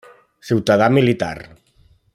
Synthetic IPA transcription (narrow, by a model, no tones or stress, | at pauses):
siwt̪aðamilit̪a̰r